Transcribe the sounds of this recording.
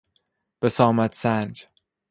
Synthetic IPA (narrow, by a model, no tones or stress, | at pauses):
b̥esɒːmæt̪sænd͡ʒ